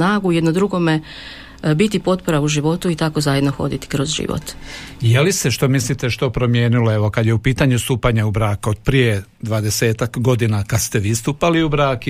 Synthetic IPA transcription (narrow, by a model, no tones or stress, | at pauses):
naːɡujed̪nod̪ɾuɡo̞me | bit̪ipo̞t̪̚poɾauʒiʋo̞t̪uit̪ako̞zajed̪noxo̞̰d̪it̪i̥kɾozʒḭʋo̰t̪jeliseʃt̪o̞mislit̪eʃt̪o̞pɾo̞mjeːnuloeʋo̞kad̪jeupiːt̪aɲust̪uːpaɲaubɾaːkod̪̚pɾije | d̪ʋaːd̪ese̞ːt̪akɡo̞d̪inakad̪st̪eʋiːst̪uːpaliubɾaːk